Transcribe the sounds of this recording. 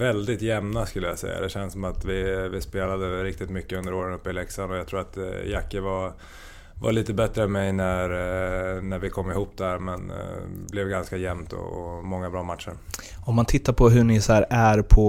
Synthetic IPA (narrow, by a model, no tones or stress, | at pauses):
vɛld̪ɪt̪jɛmnaskɵlːəja̰sɛ̰jːa̰d̪ɛɕɛnsɔmat̪vɪvɪspeːlad̪əɾɪk̚t̪ɪt̪mʏkːəɵnd̪əɾoːɾənɵpːɪlɛksanɔjat̪ʰɾuːɾat̪jakːəva | va̰ɭiːt̪əbɛt̪ɾəœnmɛjnæɾ | næɾvɪkʰɔmːɪhuːpːd̪æɾmɛnblɛvɡanskajɛmt̪ʰɔ̰ɔmɔŋːabɾɑːmat̪ʂəɾ | ɔmːant̪ʰɪt̪ːaɾpʰɔɦɵɳɪsæɾæɾpʰɔ